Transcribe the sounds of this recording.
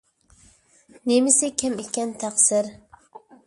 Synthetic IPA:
nemɪsɪkʲʰɛmekʲɛnt̪ʰæχsɪɾ

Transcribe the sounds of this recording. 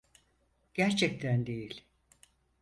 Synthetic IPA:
ɟ̥æɾt͡ʃʰɛc̚t̪ʰænd̪e̞jilʲ

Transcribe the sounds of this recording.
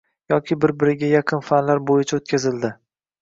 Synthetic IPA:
jɒkʲɪbɪɾbɪɾɪɡʲajɑqʰɨnfanlaɾbojɪt͡ʃʰaot̪̚kʲazɪld̪ɪ

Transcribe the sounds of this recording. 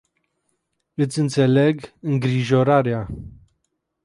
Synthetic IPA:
ɨt̪sʲɨnt̪se̞le̞ɡɨŋɡɾiʒoɾaɾea

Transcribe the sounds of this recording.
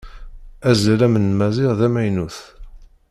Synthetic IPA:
æzlæmənmæzɪʁðæmæjnuθ

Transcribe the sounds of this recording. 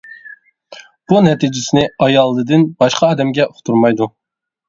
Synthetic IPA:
b̥unɛt̪ʰid͡ʒɪsɪnɪɑjɑlˠːɨd̪ɪnbɑʃqʰɑɑːd̪ɛmɡʲɛʔoχt̪ʰuɾmɑjd̪u

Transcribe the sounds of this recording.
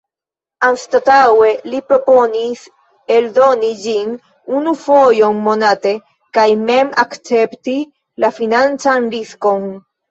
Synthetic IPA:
anstatawe̞lipɾo̞po̞nis | e̞ldo̞nid͡ʒin | unufo̞jo̞nmo̞nate̞ | kajme̞makt͡se̞pti | lafinant͡sanɾisko̞n

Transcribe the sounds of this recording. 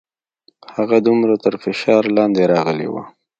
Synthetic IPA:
haɣad̪ʊmɾat̪əɾfɪʃɑɾlɑnd̪eɾɑɣəlḛwa̰

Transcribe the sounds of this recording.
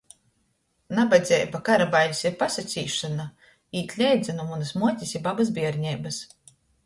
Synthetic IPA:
nabad̪zʲɛjbakaɾabajlʲisiɾpasat̪sʲḭːʃana | iːt̪ʲlʲɛjd̪zʲinumunɨsmuɔt̪ʲisʲibabaz̬bʲiɛɾɲɛjbas

